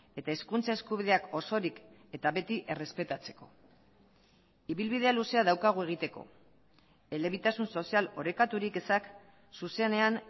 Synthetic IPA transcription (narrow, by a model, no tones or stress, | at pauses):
e̞t̪ae̞skunt͡sae̞skuβ̞iðe̞ako̞so̞ɾike̞t̪aβe̞t̪iʔe̞re̞spe̞t̪at͡se̞̥ko̞ | iβilβið̞e̞aluse̞að̞awkaɣ̞ue̞ɣ̞it̪e̞ko̞̰ | e̞le̞βit̪asunso̞sialo̞ɾe̞kat̪uɾikesak | suse̞ne̞an